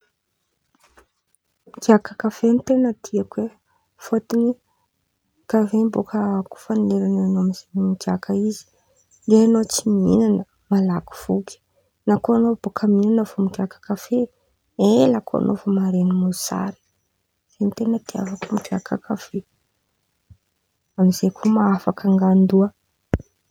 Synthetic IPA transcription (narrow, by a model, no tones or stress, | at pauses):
iɡiakakafent̪enəd̪iakwe | fot̪ini | kavembokaku̥faneɾananoamizenimiɡiakʰəizi̥ | ɖ͡ʐeanot͡simḭnanə | malaku̥v̥uɡʲi̥ | nakoanob̥okʰəminanəvomikakə̥kafe | elakʰoa̰nʔovomaɾenimusa̰ɾi̥ | z̥enit̪enət̪ia̰vakumikakakafe | amizekʰumaafakaŋɡand̪uə